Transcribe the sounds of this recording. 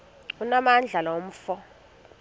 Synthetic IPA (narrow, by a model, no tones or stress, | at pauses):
unamand͡ɮʱalawom̩ːfɔ